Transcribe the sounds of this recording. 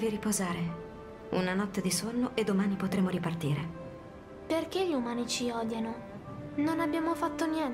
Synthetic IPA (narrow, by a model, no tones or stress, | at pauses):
viɾipozaːɾe | ṵnanɔt̪ːed̪isonːoʔed̪ːomaːnipot̪ɾeːmoɾipart̪iːɾḛ | perk̟eʎiumaːnit͡ʃiɔːd̪jano | nonabjaːmofat̪ːonjɛn